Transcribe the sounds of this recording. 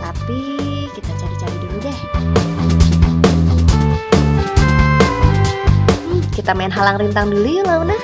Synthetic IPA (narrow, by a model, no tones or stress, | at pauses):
t̪api | kit̪at͡ʃaɾit͡ʃaɾiduludɛ | m̩kit̪amaɪnɦalaŋrint̪aŋdulujulaunah